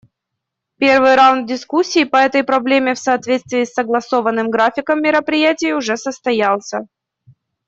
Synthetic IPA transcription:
pʲe̞rvɨjɾawnd̪̚dʲɪskusʲːiːpəɛt̪əjpɾɐblʲemʲɪfsɐːt̪vʲet̪st̪vʲɪːsːəɡlˠɐso̞vənːɨmɡɾafʲɪkəmːʲɪɾəpɾʲɪjætʲɪjʊʐɛsəst̪ɐjalˠsʲə

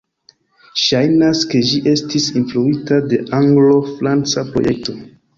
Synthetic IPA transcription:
ʃajnaske̞ʒiʔe̞stisinfluitade̞ʔaŋɡlo̞fɾant͡sapɾo̞̰jʔe̞̰k̚to̞

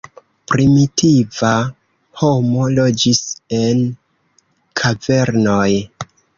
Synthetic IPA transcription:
pɾimitiva | ho̞mo̞lo̞d͡ʒise̞n | kʰave̞ɾno̞j

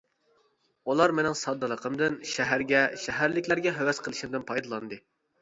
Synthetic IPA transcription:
ulˠɑɾmɪnɪŋsɑd̪ːɨlˠəqʰəmd̪ɨnʃæɦæɾɡʲɛʃɛɦæɾlɪkʲlæɾɡʲɛɦæwɛsqʰəlˠɨʃimd̪ɨnpʰɑjd̪ɑlˠɑnd̪ɨ

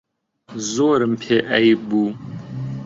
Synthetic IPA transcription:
zoːɾɨmpʰeːʔɐjbuː

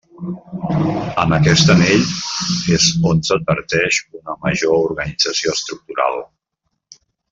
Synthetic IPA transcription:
əməkɛst̪əneʎezonsəd̪̚βəɾt̪ɛʃunəməʒouɾɣənid͡zəsioəst̪ɾuk̚t̪uɾa̰lˠ

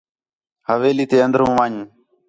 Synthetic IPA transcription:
həʋeːliːt̪eːə̃nd̪əɾũːʋãːɲũː

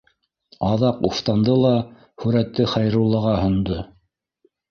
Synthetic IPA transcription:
ɑðɑquft̪ɑnd̪ɤlˠɑ | hʉɾæt̪ːɘχɑjɾulˠɤ̆ʁɑhɤ̆nd̪ɤ

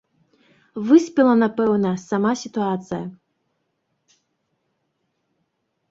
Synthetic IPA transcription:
vɨsʲpʲilˠɐnapɛwnɐsamasʲit̪uat̪sɨjɐ

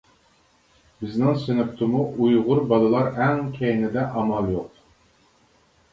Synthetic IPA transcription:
b̥ɪznɪŋsynɪpt̪ʰɨmuʔujʁʊɾbɑlˠɨlˠɑɾæŋkʲʰejnɪd̪ɛʔɑmɑlˠjoq̚

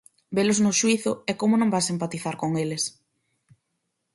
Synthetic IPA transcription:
belʊznʊʃwiθʊɛkomʊnõŋbajsempat̪iθaɾkoŋeles

